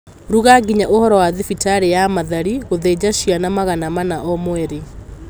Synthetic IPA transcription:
ɾuɣaɡiɲaʔohɔɾɔwaðefitaɾejamaðaɾiɣoðed͡ʑaʃianamaɣanamanaʔɔmwɛɾe

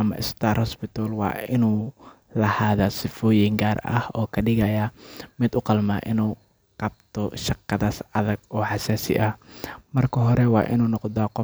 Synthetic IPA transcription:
ʔɐmɐ̰ʔɪ̰st̪ʰaːrhɔspɪt̪ʰɔlwɑ̰ːɪnuːlɐhaːðasɪfɔːjɪŋɡaːrɐ̰hɔːkʰɐɗɪɣɐjɐmɪd̪ʊqɑlmaːʔɪnuː | qɑb̚t̪ʰɔʃɐqːɐðaːsɐðɐɡ̚ʔɔːħɑsɛːsɪ̰ʔɐhmɐrkʰɐɦɔɾɛwɑ̰ːʔɪ̰nuːnɔqd̪aːqɔ

